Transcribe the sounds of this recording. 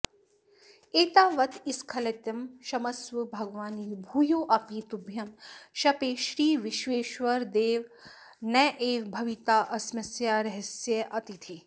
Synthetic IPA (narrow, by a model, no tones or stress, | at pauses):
eːt̪aːʋɐt̪ʰiskʰɐlɐt̪jɐmʃɐmɐsʋɨbʱɐɡʋaːniːbʱuːjoːʔɐpiːt̪ubʱjɐmʃɐpeːʃɾiːʋiʃʋeːʃʋɐɾd̪eːʋ | nɐʔeːʋbʱɐʋit̪aːʔɐsmɐsjaːɾɐɦɐsjɐʔɐt̪it̪ʰi